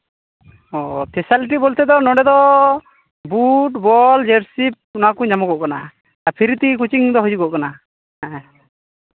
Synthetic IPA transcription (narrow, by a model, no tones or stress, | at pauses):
ɔt̪ɛsalʈ̬ibɔlt̪ɛd̪ɔnɔɖɛd̪ɔ | buʈbɔld͡ʒeɾsip̚nɔakuɲamɔɡɔʔkana̰ | apʰiɾt̪ikut͡ʃiŋd̪ɔɦɔd͡ʒuɡɔʔkana